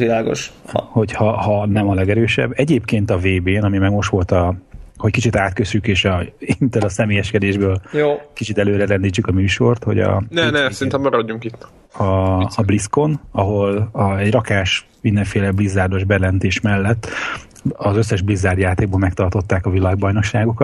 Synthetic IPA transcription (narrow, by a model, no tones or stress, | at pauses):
ʋilaːɡo̰ʃho̞chɒhɒnɛmɒlɛɡɛɾøːʃɛ̰bːɛɟeːpkeːnt̪ɒveːbeːnɒmimɛɡmo̞ʃt̪ʋo̞lt̪ɒhockit͡ʃit̪aːt̪køsykeːʃɒint̪ɛlɒsɛmeːjɛʃkɛd̪eːʒbøːljoːkit͡ʃit̪ɛløːɾɛɾɛnd̪iːt͡ʃːykɒmyːʃo̞rt̪ho̞̰ɟɒ̰nɛnɛsɛɾint̪ɛmːɛɾɒɟːuŋkit̪ː | ɒːblisko̞nɒɦo̞lɒɛɟrɒkaːʃ | mind̪ɛɱfeːlɛblizːaːrd̪o̞ʒbɛjlɛnt̪eːʃmɛlːɛt̪ː | ɒzø̞sːɛʒblizːaːrd̪jaːt̪eːɡ̚boːlmɛkt̪ɒrt̪o̞t̪ːaːkɒvilaːɡ̚bɒjno̞kʃːaːɡokɒt̪